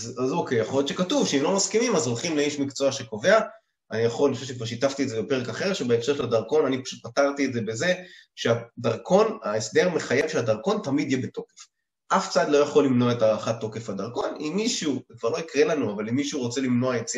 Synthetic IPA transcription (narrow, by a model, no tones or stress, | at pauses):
azazokejaχojot̪ʃekatuvʃeemlo̞maskimimazolχimleiʃmikt͡so̞aʃe̞ko̞ve̞a | anijaχolniχoʃefʃ̬ekvaʁʃitaft̪iedzebepe̞ʁekaχe̞ʁʃebeekʃe̞ʃeladaʁko̞nanipḁʃut̚pataʁt̪ietze̞be̞ze̞ʃe̞adaʁkʰo̞naesde̞ʁme̞χajevʃeadaʁko̞ntamid̪jebeto̞kef | ʔaft͡saad̪lo̞jaχo̞lːimno̞aetaaχat̪ːo̞ke̞fadaʁko̞nimːiʃukvaʁlo̞ikʁe̞lanuavalimːiʃuʁo̞t͡se̞limno̞aet͡s